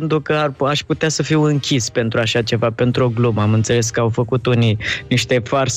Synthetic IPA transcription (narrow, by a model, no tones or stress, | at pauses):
nt̪ɾukəaraʃput̪easəfiwɨŋkʲispe̞nt̪ɾuaʃat͡ʃe̞vape̞nt̪ɾuo̞ɡluməamɨnt̪se̞le̞s̬kəawfəkut̪unijniʃt̪e̞fars